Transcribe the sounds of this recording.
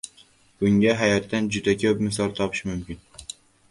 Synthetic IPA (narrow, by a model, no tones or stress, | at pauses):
b̥ʊŋɡʲaɦæjat̪ːand͡ʒʊd̪akʲʰɵpmɪs̬ɒlˠt̪ʰɒpʰɨʃmʊmkʲɪn